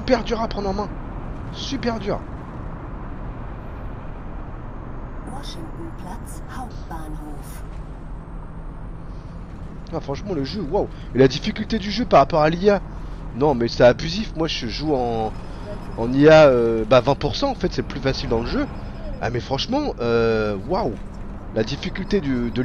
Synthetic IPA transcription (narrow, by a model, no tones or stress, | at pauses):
sypɛʁd̪yʁapχɑ̃d̪ʁɑ̃mɛ̃ | sypɛʁd̪yːʁ | mwaʃiuplas | a | pan | f | wafχɑ̃ʃmɑ̃ləʒøwaw | elad̪ifikʲylt̪ed̪yʒøpaʁapɔʁalia | nɔ̃mɛsɛabyzifmwaʒəʒuɑ̃ | ɑ̃niaøbavɛ̃puʁsɑ̃ːfɛt̪sɛplyfasild̪ɑ̃ləʒø | a̰mɛfχɑ̃ʃmɑ̃øwaw | lad̪ifikʲylt̪ed̪yd̪ə